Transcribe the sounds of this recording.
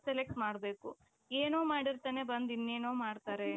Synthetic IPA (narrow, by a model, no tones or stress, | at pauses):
selek̚ʈmaːɽbe̞ːku | eːnoːmaːɽiɾt̪aːne̞bɐnd̪inːeːnoːmaːɽt̪aːɾe